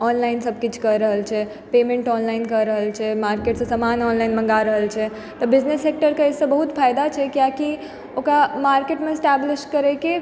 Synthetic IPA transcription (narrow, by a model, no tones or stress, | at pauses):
ɔnlaɪnsəb̚ʱkit͡ʃʰkəɾːəɦəlt͡ʃʰɛ | pemẽɳʈɔnlaɪnkəɾɾəɦəlt͡ʃʰɛmaɾkeʈsə̃səmanɔnlaɪnmə̃ŋɡaɾəɦəlt͡ʃʰɛ | t̪ɔbɪd͡ʒnesːek̚ʈəɾkeesə̃bəɦut̪fʰajd̪at͡ʃʰɛkjaki | okɾamaɾkeʈmesʈɛblɪʃʈkəɾɛke